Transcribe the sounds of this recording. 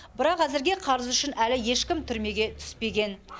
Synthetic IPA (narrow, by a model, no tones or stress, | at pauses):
bɪɾɑqæzɪɾɡʲe̞qʰɑɾəzʏʃɪnælɪje̞ʃkʲɪmt̪ʰʏɾme̞ɡʲe̞t̪ʰʏ̥spe̞ɡʲe̞n